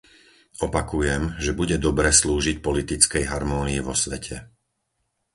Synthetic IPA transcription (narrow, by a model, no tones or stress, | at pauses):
ɔpakujɛmʒɛbuɟɛd̪ɔbɾɛːsluːʒic̚pɔlit̪it͡skɛjɦaɾmɔːniiʋɔsʋɛcʰɛ